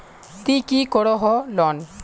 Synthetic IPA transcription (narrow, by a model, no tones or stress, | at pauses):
t̪ikikɔɽɔɦɔlɔn